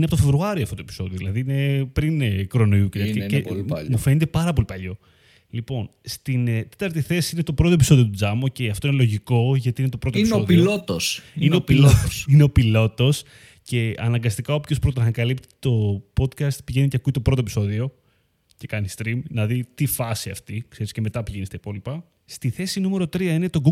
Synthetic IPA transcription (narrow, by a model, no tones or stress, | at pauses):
ineɐpot̪ofevɾuɐɾioɐft̪ot̪e̞pi̥so̞ðio̞ðilɐðiinepɾinkɾo̞noiucet̪ɐiemmufe̞net̪̬e̞pɐɾɐpo̞lipɐʎo̞ | lipo̞nst̪int̪e̞t̪ɐɾt̪iθe̞siinet̪opɾo̞t̪opiso̞ðiot̪ud͡zɐmoceɐft̪oinelo̞ʝiko̞ʝɐt̪iine̞t̪o̞pɾot̪inioðilot̪osineopiloineo̞pilo̞t̪o̞s | ce̞ɐ̰nɐŋɡɐst̪ikɐopço̞spɾo̞t̪̬ɐnɐkɐlip̚t̪i̥t̪o̞po̞d̪kɐst̪̚piʝe̞niceɐkuit̪o̞pɾot̪op̬iso̞ðio̞ | ce̞kɐnist̪ɾimnɐðit̪ifɐsiɐ̰ft̪ikse̞ɾisce̞me̞t̪ɐpiʝenist̪ɐipo̞lipɐ | st̪iθe̞sinume̞ɾo̞t̪ɾiɐinet̪o̞ɡu